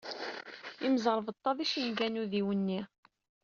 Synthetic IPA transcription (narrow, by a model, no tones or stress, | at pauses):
iməzˤəɾˤəvət̪ˤːɑðˤiʃinðænuðiwənːi